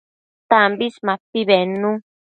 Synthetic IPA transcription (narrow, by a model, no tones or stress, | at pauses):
t̪ãmbismãpiβenũ